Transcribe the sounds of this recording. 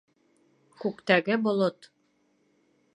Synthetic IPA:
kʉkt̪æɡɘbŏlˠot̪

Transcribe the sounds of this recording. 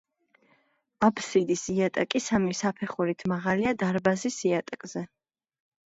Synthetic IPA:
apʰsid̪isiat̪ʼakʼisamisapʰɛχuɾit̪ʰmaʁaliad̪aɾbazisiat̪ʼakʼzɛ

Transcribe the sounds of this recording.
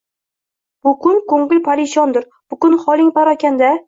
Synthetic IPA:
bʊkʊnkoŋɡɪlpʰaɾɪʃɒnd̪ɪɾ | b̥ʊkʊnχɒlˠɪŋpaɾɒkʲand̪a

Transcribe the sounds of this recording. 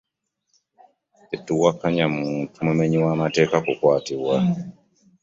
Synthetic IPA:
etːuwakːaɲamuːntumumeɲiwamate̞ːkakukwaːtiβwa

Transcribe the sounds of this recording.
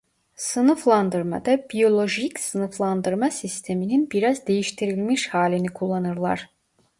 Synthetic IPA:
sɯnɯflˠand̪ɯɾma̰d̪abijo̞lʲˠo̞ʒicsɯnɯflˠand̪ɯɾmasist̪ʰe̞mininbiɾazd̪e̞jiʃt̪ʰiɾilʲmiʃhaːlʲinikʰulˠːanɯɾlˠa̰ɾ̥

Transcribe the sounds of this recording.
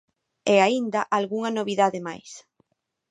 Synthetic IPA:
eaind̪ɐʔalɣuŋɐnoβiðaðɪmajs

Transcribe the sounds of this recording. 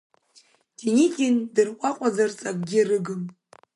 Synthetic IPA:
d̥inikʲʼɪndɨrqʷʼaqʷʼazart͡sʼak̚ʼɡʲirɨɡɨm

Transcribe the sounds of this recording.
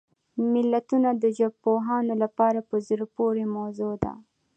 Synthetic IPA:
mɪlːat̪unad̪əd͡ʒapoɦɑnolapɑɾapəzəɾpoɾemozod̪a̰

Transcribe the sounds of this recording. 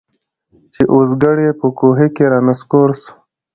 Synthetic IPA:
t͡ʃeʔos̬ɡaɽepəkoɦekeɾɑːnəskoɾs

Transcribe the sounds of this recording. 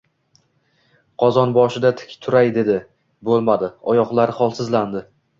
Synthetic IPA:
qʰɒzɒnbɒʃɪd̪at̪ʰɪ̥kʲt̪ʰʊɾajd̪e̞d̪ɪ | bolˠmad̪ɪɒjɒqlˠaɾɪχɒlˠsɪzland̪ɪ

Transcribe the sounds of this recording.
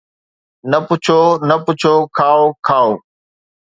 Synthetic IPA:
nəpʊt͡ʃʰoːnəpʊt͡ʃʰokʰaːokʰaːoː

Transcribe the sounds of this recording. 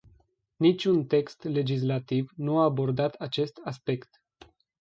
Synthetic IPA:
nit͡ʃʲunt̪e̞kst̪le̞d͡ʒis̬lat̪ivnuaːbo̞rd̪at̪at͡ʃe̞st̪aspe̞kt̪

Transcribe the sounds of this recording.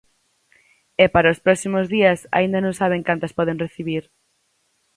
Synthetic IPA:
ɛpaɾaospɾɔsimozðiɐsa̰ind̪ɐnõŋsaβ̞eŋkant̪ɐspɔðeŋreθiβiɾ

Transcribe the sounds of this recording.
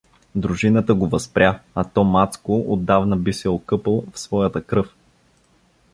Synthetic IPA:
d̪ɾuʒinət̪əɡovɐspɾʲjaɐt̪ɔmat̪skoʔod̪ːavnəbisɛokɤpəlˠfsvɔjət̪əkɾɤf

